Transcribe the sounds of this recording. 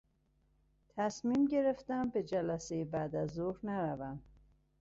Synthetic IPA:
t̪ʰæsmiːmɟe̞ɾefd̪æmbe̞d͡ʒælæsejebæd̪æzːohɾnæɾævæm

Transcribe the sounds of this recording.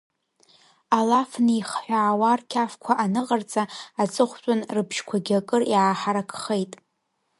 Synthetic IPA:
alafniχħʷᶣaːwarkʲʰafkʷʰaʔanɨqʼart͡sʼaat͡sʼɨχʷt͡ʃʷʼʊnrɨpʰʃkʷʰaɡʲakʼɨrjaːħaɾakʰχejtʼ

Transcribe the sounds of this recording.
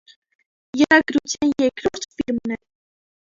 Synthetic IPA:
jəɾɑɡɾut͡sʰjɑnjɛkɾɔɾt̪ʰfiɾmnɛ

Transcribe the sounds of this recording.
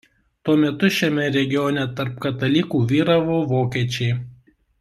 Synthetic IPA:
t̪uɔmʲɛt̪ʊʃʲɛmʲɛɾʲɛɡʲɪjɔːnʲɛt̪ɐɾp̚kɐt̪ɐlʲiːkuːʋʲiːɾɐʋoːʋoːkʲiːt͡ʃʲɛɪ

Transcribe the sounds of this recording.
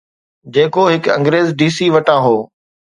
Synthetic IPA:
d͡ʑeːkoɦɪkɐ̰̃ŋɡɾeːzɖiːsiːʋɐʈãːɦoː

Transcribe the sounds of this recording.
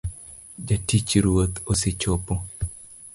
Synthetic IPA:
d͡ʒatit͡ʃɾwot̪osɪt͡ʃopːo

